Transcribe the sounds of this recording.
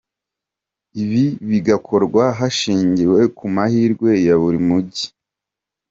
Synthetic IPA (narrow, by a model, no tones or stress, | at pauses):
iβiβiɡakʰo̞ɾɡwaɦaʃiːɲɟiwe̞kumahiːɾɡwe̞jaβuɾimuɟi̥